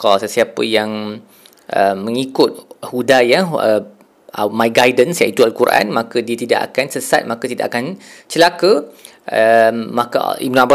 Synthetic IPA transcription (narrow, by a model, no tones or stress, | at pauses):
kɔsəsiapəjaŋ | ʔəmə̃ŋikʊt̪̚hudajaə | mãjɡajdənsjait̪ualkuɾʔa̰nmãkədiət̪ida̰ʔa̰kansəsa̰t̪̚mãkət̪ida̰ʔakant͡ʃəlakə | əmãka̰ḭmnãaba